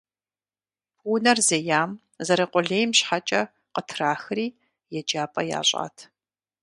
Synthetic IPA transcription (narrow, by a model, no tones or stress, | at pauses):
unɐrzejaːm | zɐɾɐqʷʼʊɮeːjmɕħat͡ʃʼɐ | qətʰraːxɨriː | jɛd͡ʒaːpʼɐja̰ːɕʷʼa̰ːtʰ